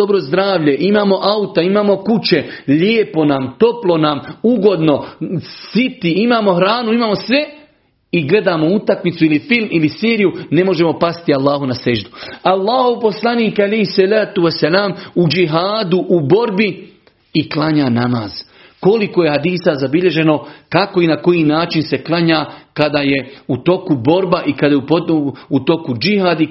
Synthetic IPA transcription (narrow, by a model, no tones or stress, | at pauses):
obɾozd̪ɾaːʋʎeʔimaːmo̞ʔaut̪aimaːmo̞kut͡ɕe̞ʎeːpo̞namt̪o̞plo̞namuɡo̞d̪no̞sit̪iimaːmo̞hɾaːnuimaːmosʋe̞ | iɡle̞d̪aːmo̞ut̪akmit̪suilifilmiliseːɾijune̞mo̞ʒe̞mo̞past̪ialˠːaːɦunaseʒd̪ualˠːaːhopo̞slˠaniːkalejhsalaːt̪uwasːalaːmud͡ʒiɦaːd̪uʔubo̞ɾbi | iklaɲaːnamaːz̥ | ko̞liko̞je̞had̪iːsazabiʎe̞ʒe̞no̞kako̞inako̞jiːnaːt͡ʃinse̞klˠaɲaːkad̪aje̞ut̪o̞kubo̞ɾbaʔikad̪ajeupout̪o̞kud͡ʒihaːd̪i